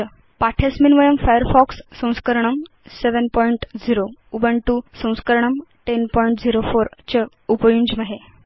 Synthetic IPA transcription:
paʈʰesminʋəjəmfajəɾfɔksːə̃w̃skəɾɳ̃əm | seʋənpɔiɳʈd͡ziɾoubəɳʈusə̃w̃skəɾɳəmʈenpɔjiɳʈd͡ziɾofoɾt͡ɕə | upəjuɲd͡ʑməɦe

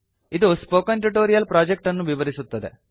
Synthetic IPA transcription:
id̪uspoːkɐnʈuʈoːɾijɐlpɾaːd͡ʒek̚ʈɐnːuʋiʋɐɾisut̪ːɐd̪ḛ

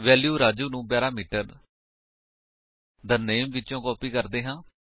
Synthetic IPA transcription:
ʋɛːljuːɾaːd͡ʒuːnũːbaːɾaːmiːʈəɾ | d̪əneːmʋɪtːt͡ʃõːkɔːpiːkəɾd̪eːɦãː

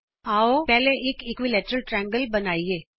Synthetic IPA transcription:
aːopɛɦleʔeːkɪkʋilɛːʈɾəlʈɾɛ̃ŋɡəlbɐnaːieː

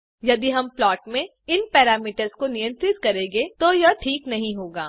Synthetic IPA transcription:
jɐd̪iɦɐmplɔːʈmẽ | ɪnpɛːɾaːmiːʈəɾskonɪjə̃nt̪ɾɪt̪kɐɾẽːɡet̪ojɐʈʰiːknɐɦĩɦoːɡaː

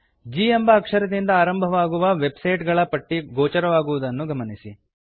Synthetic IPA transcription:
d͡ʒiːembɐːkʂɐɾɐd̪ind̪ɐaːɾɐmbʱɐʋaːɡuʋɐʋe̞bsɐjʈɡɐɭɐpɐʈːiɡɔːt͡ʃɐɾɐʋaːɡuʋud̪ɐnːuɡɐmɐnisi

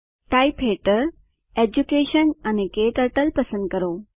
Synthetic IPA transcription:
ʈaːipɦeːʈəɾ | eːd͡ʑukeːʃənɐnekeːʈɐʈəlpɐsə̃nd̪̚kɐɾoː

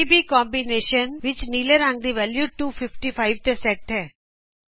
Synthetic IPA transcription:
ibiːkɔ̃ːmbineːʃənʋɪt͡ʃniːleɾãŋɡ̚d̪iʋɛːljuːʈuːfɪfʈifʰaɪʋt̪esɛk̚ʈɦɛː

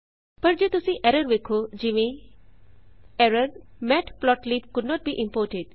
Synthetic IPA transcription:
pəɾd͡ʒoːt̪ʊsĩʔɛɾəɾʋekʰod͡ʒiʋẽ | ɛɾəɾmɛʈplɔʈliːpkʊɖnɔʈ̚biːʔɪ̃mpoːɾʈeɖ

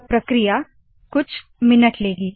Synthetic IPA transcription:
pɾəkɾija | kut͡sʰ | minəʈleɡiː

